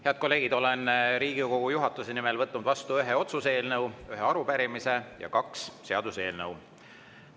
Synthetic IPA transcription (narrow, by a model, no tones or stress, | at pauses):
he̞ɑd̪̚ko̞lːe̞ːɡ̥id̪̥o̞le̞nɾiːɡ̥iko̞ɡ̥ujuɦɑt̪ːˑuse̞nimelvɤt̪ˑːnud̪vɑst̪uyɦeo̞t̪suse̞ːlnəwyɦeɑɾupæɾimise̞jɑ̰kɑksːe̞ɑd̪̥use̞ːlnəw